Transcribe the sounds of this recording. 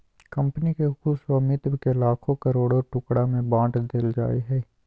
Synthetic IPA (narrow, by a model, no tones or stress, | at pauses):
kɐ̃mpnikexʊswamɪt̪bkelaːkʰõkɐɾoːɽoʈʊkɽamẽbãːʈd̪eld͡ʒa̰ːiɦɛː